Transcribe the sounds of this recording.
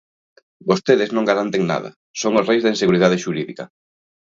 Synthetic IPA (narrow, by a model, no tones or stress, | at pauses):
bost̪eðɪznõŋɡaɾant̪eŋna̰ðɐ̰ | soŋosrejzðainseɣuɾiðað̞eʃuɾiðikɐ